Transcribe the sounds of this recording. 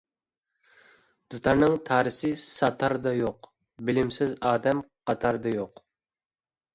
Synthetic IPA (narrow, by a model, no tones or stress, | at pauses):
d̪̥ut̪ʰɑɾnɨŋt̪ʰɑːɾɪsɪsɑt̪ʰɑɾd̪ɑjoq | bɪlɪmsɪzɑːd̪ɛmqʰɑt̪ʰɑɾd̪ɑjoq